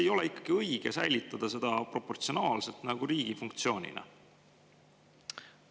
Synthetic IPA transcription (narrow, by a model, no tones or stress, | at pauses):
ejo̞leikːˑɑ̥ɡ̥iɤjɡ̥esæjlit̪ːˑɑd̪̥ɑse̞d̪̥ɑpro̞pːo̞rt̪sio̞nɑːlse̞lt̪ˑnɑɡ̥uɾiːɡ̥ifuŋkt̪sio̞ːnʲḭnɑ̰